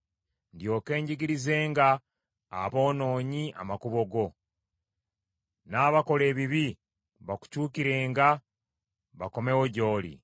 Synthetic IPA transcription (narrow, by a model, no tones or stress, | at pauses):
ndjo̞ːke̞ːɲɟiɡiɾize̞ːŋɡa̰ː | βo̞ːno̞ːɲiʔa̰makuβo̞ɡo̞ | naːβako̞le̞ːβiβi | βaku̥cuːkiɾe̞ːŋɡa | βako̞me̞woɟo̞ːlḭ